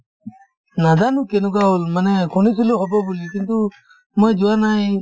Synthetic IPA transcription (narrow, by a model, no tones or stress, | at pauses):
nad̪anukɛnuɡaɦɔlmanɛkʰɔnisiluɦɔbabulikint̪u | mɔjd͡ʒuanaj